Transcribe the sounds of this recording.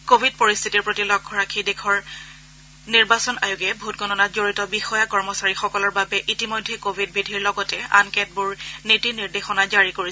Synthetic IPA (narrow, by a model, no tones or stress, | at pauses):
kobʱid̚poɹist̪ʰitiɹpɹotilɔɡ̚ʰʱɔɹakʰidekʰɔɹ | niɹbasɔna̰juɡɛbʱutɡɔnɔnatzoɹitɔbixɔjakɔɹmɔsaɹixɔkɔlɔɹbabɛʔitimojdʱːɛkobʱid̚bidʱiɹlɔɡɔtɛa̰nkɛt̚bʊɹnitiniɹdexɔnazaɹikoɹisɛ